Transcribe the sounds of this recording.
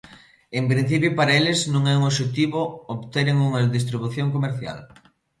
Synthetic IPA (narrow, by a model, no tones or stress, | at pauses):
empɾĩn̟θipjopaɾɐelɪznũŋɛuŋoʃet̪iβooβt̪eɾeŋuŋɐðist̪ɾiβuθjoŋkomeɾθja̰l